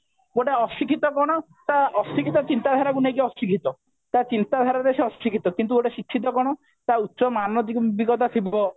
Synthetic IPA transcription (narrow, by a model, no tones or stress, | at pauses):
ɡoʈeɔsikʰit̪ɔkɔɽ̃ɔ | t̪aɔsikʰit̪ɔt͡ʃint̪ad̪ʱaɾakunekiɔsikʰit̪ɔ | t̪at͡ʃint̪ad̪ʱaɾad̪esiɔsikʰit̪ɔkint̪̬uɡoʈesikʰːit̪ɔkɔɽ̃ɔ | t̪aut̪ːʃɔmanɔd̪ikɔbiɡɔt̪at̪ʰibɔ